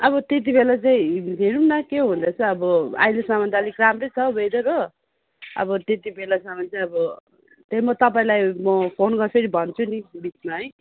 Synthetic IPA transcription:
ʌbʌt̪et̪̬ibelat͡saĩɦeɾunːʌkeɦũnd̪ʌt͡sʰʌʌbʌa̰jlesamʌnd̪alikramrʌjt͡sʰʌbʱʌjd̪ʌɾʌ | ʌ̰bʌt̪et̪ibelasamʌnt͡saĩʌbʌ | t̪ʌimʌt̪ʌp̬aĩlajmʌpʰonɡʌrsʰʌɾibʱʌnt͡sʰunibit͡smaɦʌj

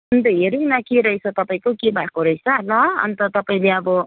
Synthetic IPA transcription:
ʌnt̪ʌɦeɾiŋnakeɾʌɦjt͡sʰʌt̪ʌpaĩkokebʱakoɾʌjt͡sʰanʌʌ̰nt̪ʌt̪ʌpaĩleʌbʌ

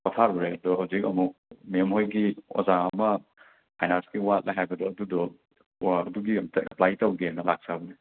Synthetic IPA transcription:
kɔtʰaɾbɔɾebɐdɔɦawzik̚ɐ̰muk̚memɦojɡio̰zaɐmɐ | ajnaɾsɡiwat̚lʔaɦajbɐdɔɐdudɔ | ɐduɡitaɐ̰plajtawɡennɐlak̚sabɐni

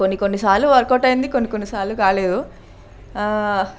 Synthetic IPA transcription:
konːikonːisaːɾlːuʋɐɾkɔːʈɐjind̪ikonːikonːisaːlːukaːleːd̪u

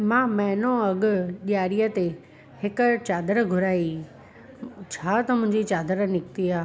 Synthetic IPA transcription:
mãːmɐɦnõɐɠʊ̆ʄjaːɾijət̪e | hɪkʊ̆t͡ɕaːd̪əɾɡʱʊɾaːi | t͡ɕʰaːt̪ɐmʊ̃ɦɪ̃ɲd͡ʑit͡ɕaːd̪əɾnɪkt̪iaː

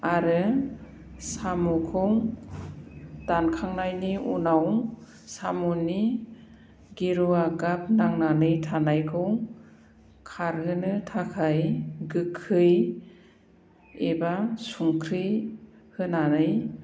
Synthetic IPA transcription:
aɾɯ | samukʰɔŋ | d̥ankʰaŋnajniʔṵnaw | samuni | ɡiɾuaɡap̚naŋnanɯjtʰanajkʰɯŋ | kʰaɾɦɯnɯtʰakʰajɡɯkʰːɯj | ebasuŋkʰɾɯj | hɯnanɯj

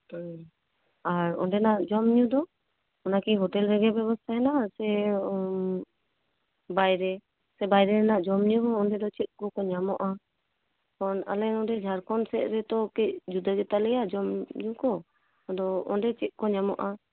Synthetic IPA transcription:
aɾɔ̰nɖɛnaʔd͡ʒɔmɲud̪ɔ | ɔnakiɦɔʈɛlɾɛɡɛbɛbɔst̪ʰaɛnasɛ | bajɾɛ | sɛbajɾɛɾɛnaʔd͡ʒɔmɲuɦɔ̃ɔnɖɛd̪ɔt͡ʃit̪̚kɔkɔɲamɔʔa | kɔna̰lɛnɔdɛd͡ʒʱaɾkɔnsɛʔ̚ɾɛt̪ɔkic̚d͡ʒud̪aɡɛt̪alɛjad͡ʒɔmɲukɔ | d̪ɔɔ̰nɖɛt͡ʃit̪̚ˀkɔɲamɔʔa

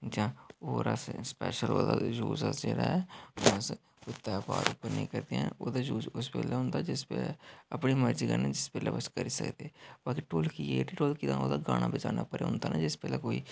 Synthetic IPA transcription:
d͡ʒãːoːɾə̰sspɛ̰ːʃəlo̰ːd̪aːd͡ʒṵːzəsd͡ʒeːɽaːɛːs | ʊt̪ːɛːpaːɾʊpːəɾnĩĩːkəɾd̪eːɛ̃oːd̪aːd͡ʒuːzʊspɛːlɛːɦʊ̃nd̪aːd͡ʒɪspɛːlɛːəpɳiːməɾziːkəɾnɛːd͡ʒɪspɛːlɛːbəskəɾiːsə̰kd̪eɛb̥aːkiːʈoːlkieʈiːʈoːlkid̪ãːoːd̪aːɡaːnʔaːbɪt͡ʃaːnaːpəɾeːɦʊ̃nd̪aːnãːd͡ʒɪspɛːlɛːkoːiː

